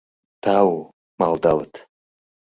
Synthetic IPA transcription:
t̪ʰaw | malˠd̪alˠət̪

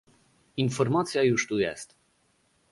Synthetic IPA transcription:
infɔɾmat̪sʲjajuʂt̪ujɛ̰st̪

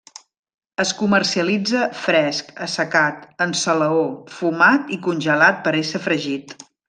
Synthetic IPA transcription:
əskumərsiəlid͡zəfɾɛskəsəkat̪ənsələofumat̪ikunʲʒəlat̪̚pəɾesəfɾəʒit̪

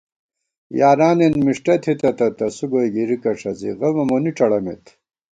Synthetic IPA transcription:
jaːɾaːnenmiʂʈɐt̪ʰit̪ɐt̪ɐt̪ɐsuɡojɡiɾikɐʂɐzḭɣɐlmɐmoniʈ͡ʂɐɽɐmḛt̪ʰ

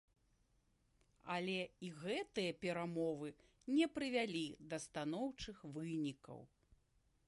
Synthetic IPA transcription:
ɐlʲɛiɣɛt̪ɨjɐpʲɛɾamɔvɨ | nʲɛpɾɨvʲalʲid̪ɐst̪anɔwt͡ʂɨxvɨnʲikɐ̰w

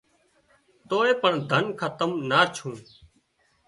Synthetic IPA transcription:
t̪oːeːpəɳd̪ʱənkʰət̪əmnaːɾt͡ʃʰũː

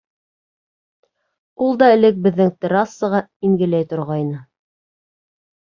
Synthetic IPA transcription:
ulˠd̪ɑɘ̆lɘk̚bɘ̆ðːɘŋt̪ʲɘɾasːɤ̆ʁɑiŋɡɘ̆læjt̪ŏɾʁɑjnɤ

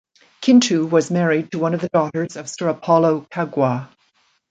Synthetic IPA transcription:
kʰɪ̃ntʰʉwʌzmɛɹid̚tʰəwʌ̃nʌvðɨdɔɾə˞zʌv̥sɜ˞əpʰɑlˠoʊkʰaɡwə

